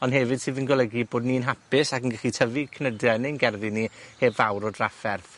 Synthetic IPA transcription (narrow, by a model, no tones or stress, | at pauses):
ɔnɦɛvɨd̥sɨːðənɡɔlˠəɡiboːdninɦapɪsakənɡɛχitʰəvikʰənədjanejnɡɛrðiniheːbvawɾɔdrafɛrθ